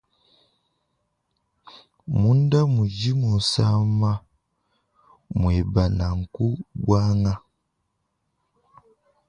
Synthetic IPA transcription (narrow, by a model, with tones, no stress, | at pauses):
mu˦nda˦mu˨ɟi˦mu˨n˨sa˦ma˦ | mwe˨ba˨na˨ŋ̩˨ku˦bwa˦ŋa˦